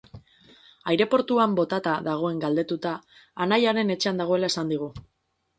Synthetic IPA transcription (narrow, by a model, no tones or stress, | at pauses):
ajɾe̞po̞ɾt̪uambo̞t̪at̪aðaɣ̞o̞e̞ŋɡald̪e̞t̪ut̪aː | najaɾe̞ne̞t͡ʃe̞and̪aɣ̞o̞e̞lae̞sand̪iɣ̞u